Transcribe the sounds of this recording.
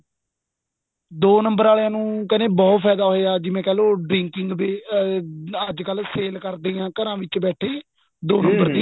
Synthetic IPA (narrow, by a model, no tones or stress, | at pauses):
d̪oːnəmbəɾaːleãːnũːkənẽːbɔːt̪pʰɛːd̪aːɦoeaːd͡ʒɪmẽːkɛːloːɖɾɪŋkɪŋɡbeː | əd͡ʒkəlseːlkəɾd̪eːãːkəɾãːʋɪt͡ʃbɛːʈʰeː | d̪oːnəmbəɾd̪iː